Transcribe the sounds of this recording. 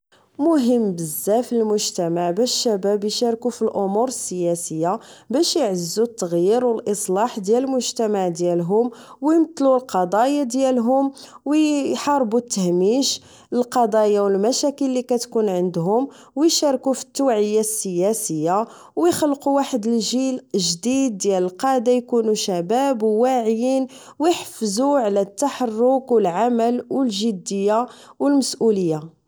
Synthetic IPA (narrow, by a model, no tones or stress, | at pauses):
mʊɦəmːbəzːæfilmʊʒt̪æmaʕbæʃʃːæbæbjʃɑɾˤkufilʔʊmuɾəsːəjæsəjːabæʃjʕəzːut̪ːəɣjiɾwəlʔəsˤlɑħd̪jæləlmʊʒt̪æmaʕd̪jælɦʊmwjmət̪ːlulqɑd̪ˤɑjad̪jælɦʊmwħɑɾˤbut̪ːəhmiʃ | əlqɑd̪ˤɑjawəlmæʃækəlːikæt̪kunʕənd̪ɦʊm | wjʃɑɾˤkufə̥t̪ːuwʕəjːasːəjæsəjːa | wjxɑlquwaħəd̪əlʒilʒd̪id̪̚ːjæləlqɑʕd̪ajkunuʃæbæbwaʕjin | wjħfzuʕlæt̪ːaħɑrːʊkwəlʕaməlwəlʒəd̪ːəjːa | wəlməsʔuləjːa